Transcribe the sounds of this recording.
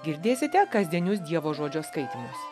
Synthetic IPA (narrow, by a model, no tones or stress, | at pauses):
ɡʲɪɾʲd̪ʲeːsʲɪt̪ʲɛkɐzʲd̪ʲiɛnʲʊs̬d̪ʲiɛʋoːʒoːd͡ʒʲoːskɐɪt̪ʲɪmʲʊs